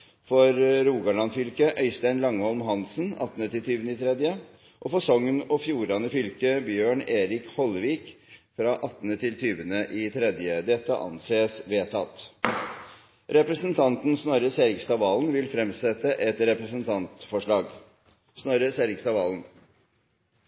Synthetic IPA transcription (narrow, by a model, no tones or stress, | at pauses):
fɔɾɾuːɡɑɭɑnfʏlkəʔœʏst̪æɪnlɑŋːəhɔlmɦɑnsənɑ̰t̪ːnət̪ʰɪlt̪ʰyːʋənəɪːt̪ʰɾɛd̪jə | ʔɔfɔsɔŋnɔfjuːɾɑnəfʏlkəbjøːɳeːɾɪkhɔlʋiːkfɾɑʔɑt̪ːnət̪ʰɪlt̪ʰyːʋənəʔiːt̪ʰɾɛd̪jəd̪ɛt̪ːə̰ʔɑ̰nseːsʋeːt̪ʰɑt̪ | ɾɛpɾəsənt̪ʰɑnt̪nsnɔɾəseːɾɪkst̪ɑʋɑːln̩ʋɪlfɾɛmsɛt̪əʔɛt̪ɾɛpɾəsənt̪ʰɑnt̪fɔʂɭɑːɡ | snɔɾəseːɾɪkst̪ɑʋɑːln